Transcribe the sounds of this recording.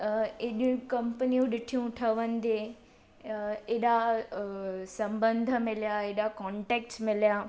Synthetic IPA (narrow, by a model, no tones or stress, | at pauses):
eɗũkɐmpənijũɗɪʈʰijũʈʰɐʋənɪd̪e | eɗa | sɐ̃mbə̃nd̪ʱəmɪljaeɗakɔːɳʈeːk̚ʈsmɪljaː